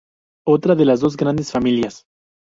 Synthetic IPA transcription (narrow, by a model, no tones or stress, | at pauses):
o̞t̪ɾaðe̞lazðo̞zɡɾand̪e̞sfamiljas